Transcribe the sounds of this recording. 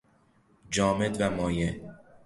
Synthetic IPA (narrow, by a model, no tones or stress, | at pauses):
d͡ʒɒːmed̪væmɒːje